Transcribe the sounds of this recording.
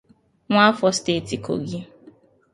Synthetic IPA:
ŋʷa˦fɔ˨˦ste˦˨ti˨ko̰˨ɡi˦

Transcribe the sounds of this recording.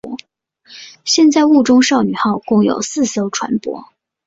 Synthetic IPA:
ɕjɛ˥˧nt͡sa˥˧ɪu˥˩ʈ͡ʂʊ˥ŋʂɑ˥˩ʊny˨˩xɑ˥˧ʊkʊ˥˩ŋjo̰˨˩ʊsɹ̩˥˩so˥ʊʈ͡ʂʰwa̰˧˥npwɔ̰˥

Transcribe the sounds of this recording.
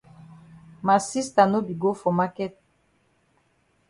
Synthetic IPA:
ma˨si˦sta˨no˦bi˨ɡo˦fɔ˨ma˦kɛ˦t̚

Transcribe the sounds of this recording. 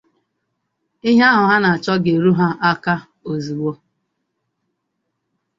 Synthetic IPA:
i˦ɦa˦ɦʊ˨ɦa˦na˨a˨t͡ʃɔ˦ɡe˨ɾu˦ɦa˦ʔa˦ka˦ | o˨zi˨ɡ͡bo˦

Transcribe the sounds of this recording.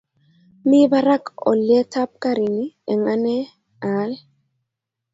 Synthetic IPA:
mi˦ba˦ɾa˦kɔ̰˨ljɛ˦ta˦p̚ka˦ɾi˨ni˦ɛ˨ŋa˦nɛ˦ | a˨˦l

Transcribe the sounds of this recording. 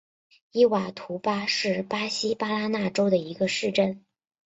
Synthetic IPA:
i˥wa˨˩t̪ʰu˧˥pa˥ʂɻ̩˥˩pa˥ɕi˥pa˥la˥na˥˩ʈ͡ʂo˥ʊd̪ə˨i˧˥ɡə˧ʂɻ̩˥˧ʈ͡ʂə˥˩n

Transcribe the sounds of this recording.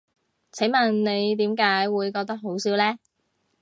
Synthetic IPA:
t͡sʰɐ˨˥mɐ˨˩nne˨˧jt̪̬iː˨˥mkaː˨˥jwuː˨˧jkɔː˧k̚t̪ɐ˥k̚ɦo˨˥wsiː˨˥wlɛː˥

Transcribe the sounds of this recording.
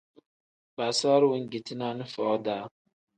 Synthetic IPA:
ba˨sa˦ɾwi˨˦ŋɡi˨tʰi˦na˦nə˦fɔː˨˦d̪a˨˦

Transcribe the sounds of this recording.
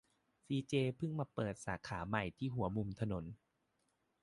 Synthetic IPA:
siː˧t͡ɕeː˧pʰɯ˥˩ŋmaː˧pɤː˨˩t̪̚saː˩˦kʰaː˩˦ma˨˩jt̪ʰiː˥˩ɦu˨˩˦ɐmu˧mt̪ʰa˧no˩˦n

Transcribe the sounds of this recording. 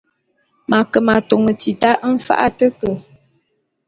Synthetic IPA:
ma˨kə˨ma˨to˨ŋə˨ti˨ta˦ʔm̩˦fa̰˦ʔa˦tə˦kə˨

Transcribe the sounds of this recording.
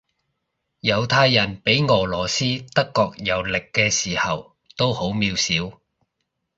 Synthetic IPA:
jɐ˨˧wt̪ʰaː˧jːɐ˨˩npe˨˥jŋɔː˨˩lɔː˨˩siː˥t̪ɐ˥kːɔː˧k̚jɐ˨˥wlɪ˨kːɛː˧siː˨˩hɐ˨w | t̪o˥who˨˥wmiː˧wsiː˨˥w

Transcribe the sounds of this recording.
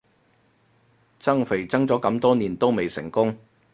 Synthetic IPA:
t͡sɐ˥ŋfe˨˩jt͡sɐ˥ŋt͡sɔː˨˥kɐ˨˧˥mt̪ɔː˥niː˨˩nt̪o˥wme˨jsɪ̰˨˩ŋkʊ˥ŋ

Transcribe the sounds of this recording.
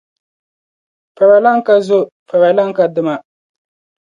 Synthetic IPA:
pa˨bɛ˨la˦ŋ˦ka˦zʊ˦ | pa˨bɛ˨la˦ŋ˦ka˨dɨ˨ma˨

